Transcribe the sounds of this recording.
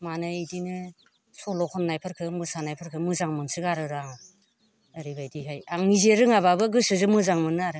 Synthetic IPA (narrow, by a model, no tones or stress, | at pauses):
manɯidinɯ | sɔlɔkʰɔnːajpʰɯɾkʰɯmɯsanajpʰɯɾkʰɯmɯzaŋmɯnsɯɡaɾɯɾaŋ | aɾibajdiɦajaŋnizeɾɯŋaβabɯɡɯsɯzɯmɯzaŋmɯnːɯaɾɯ